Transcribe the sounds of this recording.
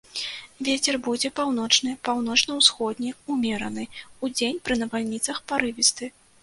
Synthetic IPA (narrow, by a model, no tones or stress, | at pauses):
vʲet͡sʲɛrbud͡zʲɛpawnɔt͡ʂnɨpawn̪ɔt͡ʂnɐwsxɔd̪ʲnʲɛumʲeɾɐnɨud͡zʲenʲpɾɨnɐvalʲnʲit̪sɐxpaɾɨvʲist̪ɨ